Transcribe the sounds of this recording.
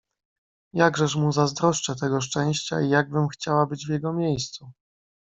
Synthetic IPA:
jaɡʐɛʂmuzazd̪ɾɔʂt͡ʂɛt̪ɛɡɔʂt͡ʂɛ̃w̃ɕt͡ɕa̰ijaɡ̚bɘmxt͡ɕawabɘd͡ʑvʲjɛɡɔmʲjejst̪su

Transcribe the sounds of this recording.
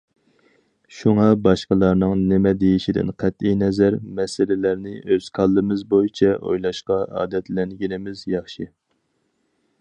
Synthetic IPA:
ʃuŋɑbɑʃqəlˠɑɾnɨŋnɪmɛd̪ejiʃid̪ɪ̰nqʰæt̪ijnɛzæɾmɛsɪlɪlæɾnɪʔøz̥kʰɑlˠːɨmɪzbojit͡ʃʰɛʔo̰jlˠɑʃqɑʔɑ̰ːd̪ɛt̪lɛnɡʲinɪmɪzjɑχʃi

